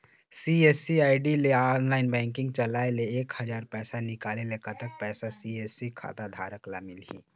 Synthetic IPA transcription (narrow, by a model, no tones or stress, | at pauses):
siesiaːɪɖileaːnlaːɪnbɛ̃ːŋkɪ̃ŋɡ̚t͡ʃəlaːeleeːkhəd͡ʒaːɾpɛːsanɪkaːlelekət̪ək̚pɛːsasieːsikʰa̰ːd̪ad̪ʱa̰ːɾəklamɪlḭː